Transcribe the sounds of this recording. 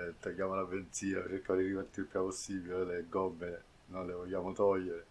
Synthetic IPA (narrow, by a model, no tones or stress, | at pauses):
t̪ːaɡːaːmolabent̪siːa̰eɾkalirivat̪ːulpjaposːiːbioeleɡɔbːe | nojlevoʎːaːmot̪ɔʎːeɾe